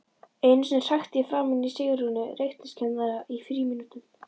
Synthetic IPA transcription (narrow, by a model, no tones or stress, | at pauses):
ejnsɛmsaxt̪jɛfɾaːmɪnisɪɣɾunʏrejxt̪nɪscʰɛnðaɾaʔifɾiːmɪnut̪ʏm